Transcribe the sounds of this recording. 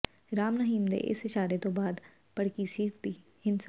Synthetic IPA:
ɾaːmnəɦiːmd̪ḛʔɪ̰sɪʃaːɾet̪obaːd̪ | pɐɽ̤kisiːt̪̚b̪ihɪnsa

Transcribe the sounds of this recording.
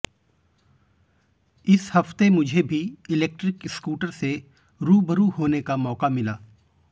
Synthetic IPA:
ɪshɐft̪emʊd͡ʒʱebʱiɪleːk̚ʈɾɪkɪskuːʈəɾse | ɾuːbəɾuhoːnekamɔːkamɪlaː

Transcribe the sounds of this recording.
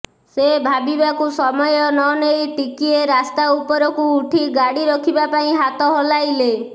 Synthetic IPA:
sebʱabibakusɔmɔjɔnɔnejʈikieɾast̪aupɔɾɔkuːʈʰiɡaɽiɾɔkʰibapaĩɦat̪ɔɦolajle

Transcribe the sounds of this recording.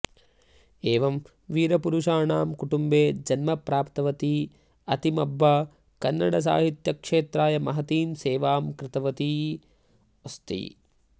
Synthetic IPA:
eːʋɐm | ʋiːɾɐpuɾuʂaːɳaːmkuʈumbeːd͡ʒɐnmɐpɾaːpt̪ɐʋɐt̪i | ɐt̪imɐbːɐ | kɐnːɐɽɐs̬a̰ːɦit̪jɐkʂeːt̪ɾaːjɐmɐɦɐt̪iːmseːʋaːmkɾɪt̪ɐʋɐt̪i | ost̪ḭ

